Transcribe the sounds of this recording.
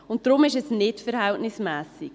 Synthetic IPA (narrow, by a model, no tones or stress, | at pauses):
ʊnt̚d̥ɾʊmɪʃɛsnɪtfəɾhɛltnɪsmɛːsik